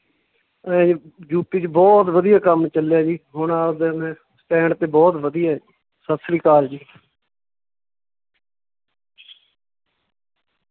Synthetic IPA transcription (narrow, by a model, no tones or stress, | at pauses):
d͡ʒuːpiːt͡ʃbɔːt̪ʋəd̪ɪjaːkəmt͡ʃəljaːd͡ʒiːɦʊɳaːd̪eːmɛ̃ː | sʈɛ̃ːɳɖt̪eːbɔːt̪ʋəd̪ɪjaːiː | səsɾiːkaːld͡ʒiː